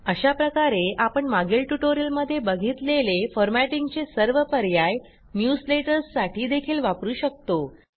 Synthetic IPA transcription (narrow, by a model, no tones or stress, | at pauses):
əɕapɾəkaɾeʔapəɳmaɡilʈuʈoɾiəlməd̪ʱːjebəɡʱiːt̪lelefɔɾmæʈiŋɡt͡sesəɾʋəpəɾjaj | njusleʈəɾsːaʈʰiːd̪ekʰiːlʋapɾuːɕək̚t̪o